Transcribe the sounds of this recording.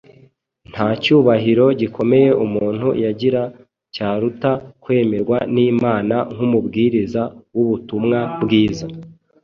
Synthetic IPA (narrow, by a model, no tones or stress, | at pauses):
n̥hacuːβaɦiɾo̞ɟikʰo̞me̞je̞ʔumuːn̥hṵjaɟiɾa | caːɾutakwe̞ːme̞ɾɡwaniːmaːnaŋ̥humubɡiːɾizawuβutumŋabɡiːza